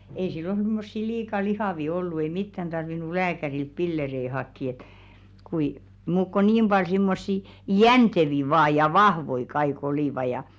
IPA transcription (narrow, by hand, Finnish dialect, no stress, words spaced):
ei silːon̞ simːosːi liːkɑ lihɑˑʋi olːu ei mitːæn tɑrʋinu læːkærilt pilːerei hɑkːi et kui muːk ko nim b̥ɑl simːosːi jænteʋi ʋɑː jɑ ʋɑhʋoi kɑik oliˑʋɑ jɑ